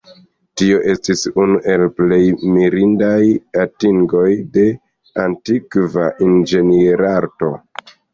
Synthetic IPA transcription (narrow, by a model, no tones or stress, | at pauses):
tio̞ʔe̞stisunuʔe̞lple̞jmiɾindajatiŋɡo̞jde̞ | antikvaʔind͡ʒe̞nieɾaɾto̞